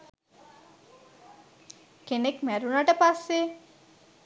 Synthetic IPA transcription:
kenekmæɾunaʈəpasːe

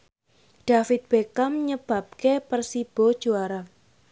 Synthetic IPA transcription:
ɖ̥afɪt̪̚b̥ekamɲəb̥a̤p̚kepərsib̥ɔd̥ʒ̥oaɾa

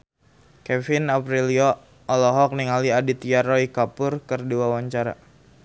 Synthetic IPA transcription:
kɛfɪnapɾiliɔ | ɔlɔɦɔk̚niŋaliadit̪iaɾɔikapʊrkərduawaɲt͡ʃaɾa̰

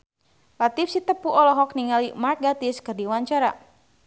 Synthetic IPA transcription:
lat̪ifsit̪əpuʔɔlɔɦɔkniŋalimark̪̚ɡat̪iskərdiwaɲt͡ʃaɾa̰

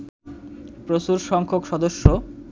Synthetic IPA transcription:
pɾoʃuɾʃɔŋkʰokʃɔd̪oʃːo

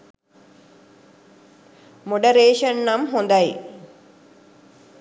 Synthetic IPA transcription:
moɖəɾeːʃənːamɦond̪aj

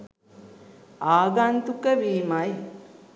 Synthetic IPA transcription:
aːɡant̪ukəʋiːmaj

